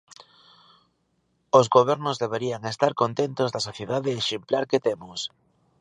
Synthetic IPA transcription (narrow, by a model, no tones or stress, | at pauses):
ozɣoβ̞ɛɾnʊzðeβeɾiaŋest̪aɾkont̪ent̪ozðɐsoθjeðaðeːʃemplaɾket̪emʊs